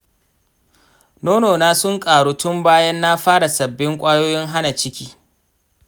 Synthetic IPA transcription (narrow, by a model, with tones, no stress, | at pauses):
noː˦noː˨naː˦sʊ˦ŋkʼaː˨ɽoː˦tʊ˦mbaː˦jɐ˦nːaː˦ɸaː˦ɽa˨sɐ˨bːɪ˦ŋkʷʼaː˦joː˦jɪ˦ŋɦa˦na˨t͡ʃɪ˦kʲiː˦